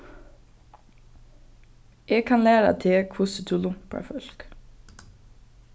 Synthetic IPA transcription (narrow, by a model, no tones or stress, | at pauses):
eːɡ̚kʰɑnlæːɾa̰t̪ʰeːkʰʋʊsət̪ʰulʊŋpʰɑ̰fœlk